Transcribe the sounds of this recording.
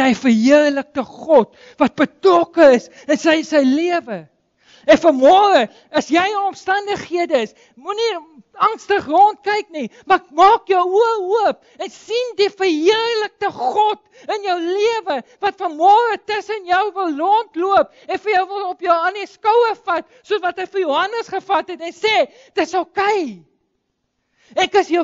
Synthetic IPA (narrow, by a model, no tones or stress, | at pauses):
nəjfərɦiərlək̚təχɔt | vɐt̚bətrɔkəəs | ənsəjsəjliəvə | ɛnfəmɔːrə | ɐsjɛjəɔmstɐndəχhiədəəs | muni | ɐŋstəχrɑnt̚kɛjknimɐkmɑːkjəwuəuəp | ɛnsindifərɦiərrlək̚təχɔt | ənjəwliəvəvɐtfɐnmɔːɾətəsənjœwvəlˠːɔntluəp | ɛnfəjœwvəlˠɔpjəwɐniskəwəfɐt̚ | suəsvɐtɦəjfərjuɦɐnəsχəfɐtɦɛtɛnsɛː | d̥ətsɐlˠkɛj | ɛkəsjə